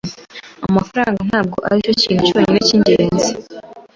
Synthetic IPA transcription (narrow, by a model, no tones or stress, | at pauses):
a̰mafaɾaːŋɡan̥haːb̚ɡo̞̰ʔa̰ɾico̞ciːnhucuβaɲineciɲɟeːnzi